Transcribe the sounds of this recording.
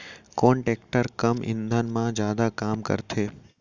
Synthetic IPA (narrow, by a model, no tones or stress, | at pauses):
koːnʈeːk̚ʈəɾkəmʔɪ̰̃nd̪ʱənmãd͡ʒjaːd̪akaːmkə̰ɾt̪ʰeː